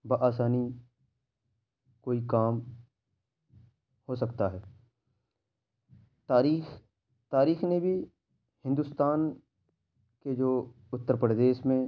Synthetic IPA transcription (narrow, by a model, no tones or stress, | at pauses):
baʔaːsaːni | koːikaːm | hosɐkt̪aɦɛː | t̪aːɾiːx | t̪aːɾiːxnebʱi | hɪ̃nd̪ʊst̪aːn | ked͡ʒoː | ʊt̪ːəɾpɾəd̪eːʃmẽ